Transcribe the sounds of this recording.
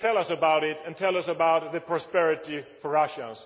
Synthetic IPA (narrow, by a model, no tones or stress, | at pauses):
tʰɛlˠʌsəbaʊɾɪɾɨ̃ntʰɛlˠʌsəbaʊt̪̚ðɨpʰɹ̥ɑspɛɹɨɾifəɹʌʃə̃z̥